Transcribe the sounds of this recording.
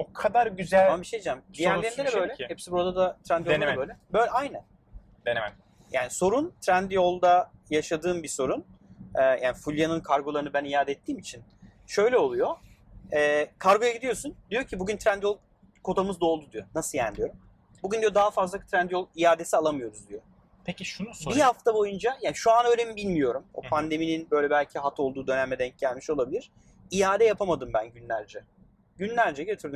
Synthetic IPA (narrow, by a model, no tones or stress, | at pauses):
okʰad̪aɾɟyzælamabiʃejd̪id͡ʒamd̪ijæɾeɾmed̪ɛbø̞jllʲɛhepsibuɾad̪ad̪at̪ʰɾænd̪j̪bøjlʲɛbøjlʲajnæn | d̪enɛ | jaːniso̞ɾunt̪ʰɾænd̪jo̞lˠd̪ajaʃad̪ɯːmbiso̞ɾunɛːja̰ːnifulʲjanɯnkʰaɾɡo̞lˠaɾɯnɯbænijaːd̪ɛt̪ʰːiːmit͡ʃʰinʃø̞jlʲɛo̞lˠujo̞ | ɛːkʰaɾɡo̞jaɟid̪ijo̞sund̪ijo̞cʰibuɟynt̪ʰɾænd̪jo̞lˠ | kʰo̞d̪amɯzd̪o̞lˠd̪ud̪ijo̞nasɯja̰nd̪ijo̞ɾum | buɟynd̪ijo̞d̪aɦafazlˠat̪ʰɾænd̪jo̞lˠijaːd̪e̞sialˠamɯjo̞ɾuzd̪ijo | pʰeciʃunusbihaft̪ʰabo̞jund͡ʒajaːniʃuanø̞ːlʲemibilʲmijo̞ɾumopʰand̪e̞mininbø̞jlʲɛbælʲcʰiɦat̪ʰo̞lˠd̪uːd̪ø̞næmɛd̪ɛɲc̚ɟælʲmiʃo̞lˠabilʲiɾ̥ | ijaːd̪ɛjapʰamad̪ɯmbænɟynlʲæɾd͡ʒɛ | ɟynlʲæɾd͡ʒɛɟøt̪ʰyɾd̪ym